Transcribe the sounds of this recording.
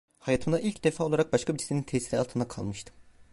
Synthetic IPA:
hajat̪ʰɯmd̪aʔilʲcd̪efaːo̞lˠaɾak̚baʃkʰabiɾsenint̪ʰɛsiɾia̰lˠt̪ʰɯnd̪akʰa̰lˠmɯʃt̪ʰɯ̥

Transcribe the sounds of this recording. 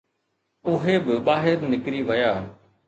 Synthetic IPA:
ʊɦebɪɓaːɦɪɾnɪkɾiʋɐjaː

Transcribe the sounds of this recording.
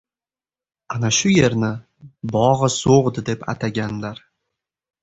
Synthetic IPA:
anaʃʊje̞ɾnɪ | bɒʁɨsoʁd̪ɪd̪e̞pa̰t̪ʰaɡʲanlaɾ

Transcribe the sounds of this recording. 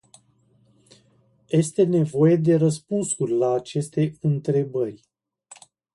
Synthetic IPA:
je̞st̪e̞ne̞vo̞je̞d̪e̞ɾəspunsurʲlaːt͡ʃe̞st̪e̞ɨnt̪ɾe̞bərʲ

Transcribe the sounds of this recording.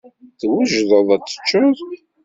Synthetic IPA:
θwəʒðˤəðˤæt͡sːə̥t͡ʃːʊðˤ

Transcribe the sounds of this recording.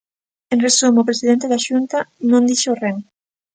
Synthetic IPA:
enresumopɾesiðent̪eðaʃunt̪anõnd̪iʃoren

